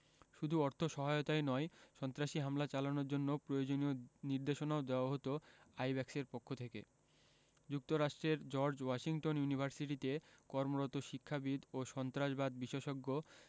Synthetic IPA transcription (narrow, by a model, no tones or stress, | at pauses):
ʃud̪ʱuɔɾt̪ʰoʃɔɦaot̪aenɔjʃɔnt̪ɾaʃiɦamlat͡ɕalanoɾd͡ʑonːopɾojod͡ʑonioniɾd̪eʃonaod̪eoaɦot̪oajbɛkseɾpokʰːot̪ʰekḛ | d͡ʑuk̚t̪oɾaʃʈɾeɾd͡ʑɔɾd͡ʑwaʃiŋʈonjunibʱaɾsiʈit̪ekɔɾmoɾot̪oʃikʰːabid̪oʃɔnt̪ɾaʃbad̪biʃeʃoɡːo